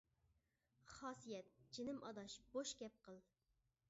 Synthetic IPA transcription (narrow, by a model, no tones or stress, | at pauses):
χɑːsijɛt̪̚d͡ʒɪnɪmʔɑd̪ɑʃb̥oʃkʲɛp̚qəlˠ